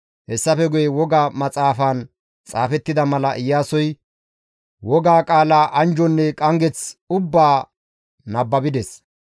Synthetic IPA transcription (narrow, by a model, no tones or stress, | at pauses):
hɛsːɐfɛɡʊjɛwɔɡaːmɐt͡sʼaːfaːn | t͡sʼa̰ːfɛt̪ːɪd̪ɐmɐlɐʔɪjːaːsɔj | wɔɡaːkʼaːlaːʔɐnd͡ʒɔnːɛkʼɐŋɡɛt͡sʊbːaː | nɐbːɐbɪd̪ɛs